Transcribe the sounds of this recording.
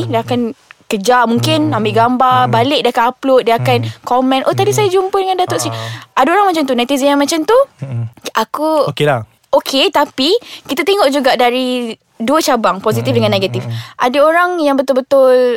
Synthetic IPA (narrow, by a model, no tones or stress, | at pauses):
diakankəd͡ʒamuŋkɪnambɪʔɡambarbalɪʔ̚diakanaplot̪̚diakankomɛ̃nʔot̪adisajad͡ʒumpədəŋãndat̪ʊʔsiʔadaoɾaŋmãt͡ʃant̪unat̪izijaŋmãt͡ʃamt̪u | ʔakuokela | okʰet̪apikit̪at̪eŋɔʔd͡ʒuɡaʔdaɾi | duət͡ʃabaŋpozit̪ifdəŋãnːeɡat̪ifʔadəoɾaŋjaŋbət̪ʊlbət̪ʊl